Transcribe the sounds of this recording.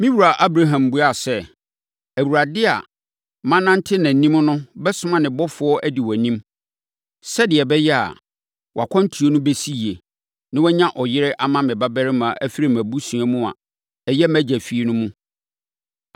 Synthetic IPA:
mĩ˦wu˨ɾa˨ʔa˦bɾa˦ɦã˨mbu˦a˨sɛ˦ | æ˨wu˨ɾa˨dɪ˦a̰˨ | mã˦nã˦n̩˦tʰɪ˦nã˨nĩ˦mnʊ̃˦bɛ˦sʊ˦mã˨nɪ̃˨bɔ˦fʊ˨˦ɔ˦ʔæ˦di˨wɔ˨nĩ˦m | sɛ˦dɪ˨ɛ˨bɛ˦jɛ˦a̰˨ | wɔ̰˨a˨kʷʰɔ̃˦n˦tʰu˨o˦nʊ̃˦be˦si˦˨e˨ | nɪ̃˦wɛ˦ɲã˦ʔɔ˨jɪ˦ɾɪ˦ʔa˦mã˦mɪ̃˨ba˦bɛ˦ɾɪ˦mã˨ʔæ˦fi˦ɾɪ˦mæ̃˨bu˦sũ˨a˦mũ˦a̰˨ | ɛ˨jɛ˦mæ̃˦d͡ʑæ˨fi˦e˦nʊ̃˦mũ˦

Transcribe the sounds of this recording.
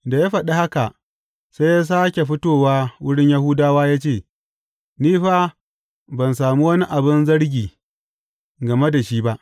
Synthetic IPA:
da˨jaː˦ɸɐ˨ɗe˦ha˦ka˨ʔ | se˦jaː˦s̬aː˦kʲe˨ɸɪ˦toː˦˨waː˦wʊ˦ɽɪ˦ɲja˦hʊ˦daː˦waː˦jaː˦t͡ʃeː˦˨ | niː˦ɸaː˦ | bɐ˨nsaː˨mu˦wɐ˦ni˦ʔa˨bɪ˦nzɐ˦ɽɡʲiː˨ | ɡɐ˨me˦da˨ʃiː˦ba˦ʔ

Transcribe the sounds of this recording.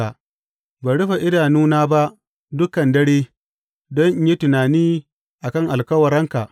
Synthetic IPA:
a˨ | baː˨ɽʊ˦ɸa˨ʔɪ˦daː˨nuː˦naː˦ba˦ʔ | dʊ˦kɐ˨ndɐ˦ɽeː˦ | dɔ˦ɲ˦ji˦tʊ˨naː˨niː˦ | ʔa˨kɐ˦˨ŋʔa˨lkɐ˦wɐ˨ɾɐ˦ŋka˨ʔ

